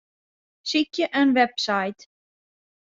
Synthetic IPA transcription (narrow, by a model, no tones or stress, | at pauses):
sicəʔɛnvɛpsajt̪